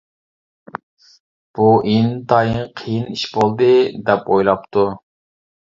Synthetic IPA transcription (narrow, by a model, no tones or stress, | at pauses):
b̥uʔint̪ʰɑjɨɴqʰijiniʃbolˠd̪ɨd̪ɛpojlˠɑp̚t̪ʰu